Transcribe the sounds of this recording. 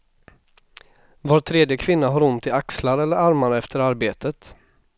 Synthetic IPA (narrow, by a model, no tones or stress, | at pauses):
voːɾt̪ʰɾeːd̪jəkʰvɪnːaɦaɾʊnt̪ʰɪakslaɾɛlːəɾaɾmaɾɛft̪ʰəɾaɾbeːt̪ʰət̪